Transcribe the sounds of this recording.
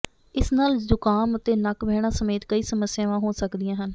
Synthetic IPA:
ɪsnaːld͡ʒʊkaːmət̪eːnəkbɛːɽ̃ãːsəmeːt̪kəiːsəməsːɪjãːʋãːɦoːsəkd̪ɪjãːɦən

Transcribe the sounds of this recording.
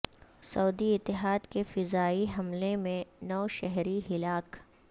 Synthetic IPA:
sɐuːd̪iɪt̪ːɪɦaːd̪kefɪzaːiɦɐmlemẽnɔːʃɛɦɾiɦɪlaːk

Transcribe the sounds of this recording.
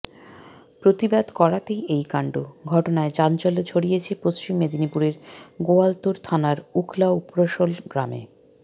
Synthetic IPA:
pɾot̪ibad̪kɔɾat̪ejejkaɳɖuɡʱɔʈonaed͡ʑant͡ɕɔlot͡ɕʰoɽijet͡ɕʰepost͡ɕimːed̪inipuɾeɾɡoalt̪oɾt̪ʰanaɾukʰlaupɾoʃolɡɾamḛ

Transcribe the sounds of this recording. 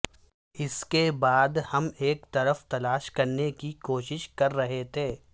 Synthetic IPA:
ɪskebaːd̪hɐmeːkt̪ɐɾəft̪ɐlaːʃkɐɾnekikoːʃɪʃkɐɾːɐɦet̪ʰeː

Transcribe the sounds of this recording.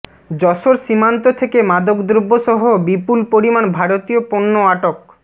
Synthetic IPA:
d͡ʑɔʃoɾʃimant̪ot̪ʰekemad̪okd̪ɾobːoʃɔɦobipulpoɾimanbʱaɾot̪ijoponːoaʈok

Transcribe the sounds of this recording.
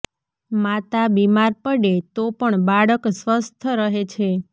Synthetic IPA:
mat̪abimaɾpəɽet̪opəɳbaɭəksʋəst̪ʰəɾəɦet͡ʃʰe

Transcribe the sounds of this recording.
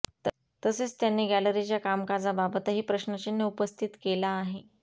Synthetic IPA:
t̪əset͡st̪janːeːɡæləɾit͡ɕjakamkad͡zababət̪əɦiːpɾəɕnət͡ɕinːeupəst̪ʰit̪kelaːɦe

